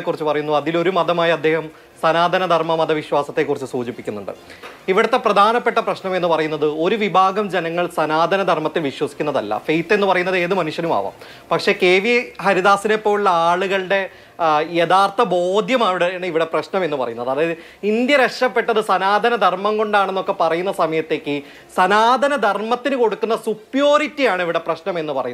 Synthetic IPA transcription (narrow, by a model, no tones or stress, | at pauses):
ekːurit͡ɕːɨpɐrɐjunːuɐðilo̞ɾumɐd̪ɐmaːjɐɐd̪ːe̞ːhɐm | sɐnaːd̪ʱɐnɐd̪ʱɐrmɐmɐd̪ɐʋiɕwaːsɐt̪ːe̞kːurit͡ɕːɨsuːd͡ʑipːikʲːunːṵɳɖɨ̰iʋiɽɐt̪ːe̞prɐd̪ʱaːnɐpːe̞ʈːɐprɐɕnɐme̞nːupɐrɐjunːɐðɨo̞ɾuʋibʱaːɡɐmd͡ʑenɐŋːɐɭsɐnaːd̪ʱɐnɐd̪ʱɐrmɐt̪ːilʋiɕwɐsi̥kʲːunːɐðɐlːɐ̰fejt̪ːe̞nːɨpɐrɐjunːɐðɨe̞ːðɨmɐnuʂjɐnuma̰ːʋa̰m | pɐkʂe̞ke̞ːʋihɐɾiðaːsinepːo̞ːuɭːɐaːɭuɣɐɭɨɖe̞ | je̞d̪aːrt̪ʰɐbo̞ːd̪ʱjɐmaːʋiɽɐɳiʋiɽe̞prɐɕnɐme̞nːɨpɐrɐjunːɐðɐðɨ | ind̪jɐɾekʂɐpːe̞ʈːɐðɨsɐnaːd̪ʱɐnɐd̪ʱɐrmɐŋko̞ɳɖaːɳenːo̞kːe̞pɐrɐjunːɐsɐmɐjɐt̪ːe̞ːkʲːɨ | sɐnaːd̪ʱɐnɐd̪ʱɐrmɐt̪ːinɨko̞ɽukːunːɐsupjo̞ːɾitːijaːɳiʋiɽe̞prɐɕnɐme̞nːɨpɐrɐjunɐð